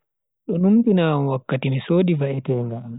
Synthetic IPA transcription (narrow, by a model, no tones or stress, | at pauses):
ɗɔnumtinamwakːatimisoːɗivaʔɛtɛːŋɡaːm